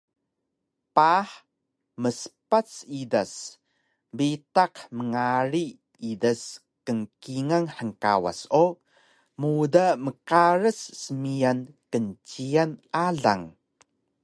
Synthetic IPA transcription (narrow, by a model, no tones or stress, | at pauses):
paħ | məsə̥pat͡sidas | bitaqməŋaɾi | idas | kəŋkiŋaŋħəŋka̰wa̰so | mudaməkaɾəsːəmijankənt͡ɕianʔaɮa̰ŋ